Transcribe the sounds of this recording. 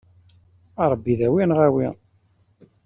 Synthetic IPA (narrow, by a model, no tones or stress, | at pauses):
ɑɾˤbːiðæwinʁæwi